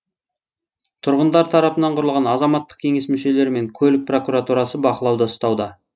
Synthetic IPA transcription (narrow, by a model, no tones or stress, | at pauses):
t̪ʰʊɾʁənd̪ɑɾt̪ʰɑɾɑpənɑɴqʰʊɾəlˠʁɑnɑzɑmɑt̪ːə̥q̚kʲʰe̞ŋe̞smʏʃe̞le̞ɾɪme̞ŋkʲʰɵlɪk̚pro̞kuɾat̪uɾɑsəbɑqəlˠɑwd̪ɑəst̪ɑwd̪ɑ